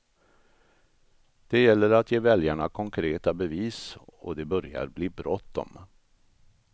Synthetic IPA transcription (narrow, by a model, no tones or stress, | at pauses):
d̪̥ɛjɛlːəɾat̪ʰjeːvɛljaɳa̰kʰɔŋkʰɾeːt̪abɛviːsɔ̰d̪ɛbœɾja̰ɾbliːbɾɔt̪ːɔ̰m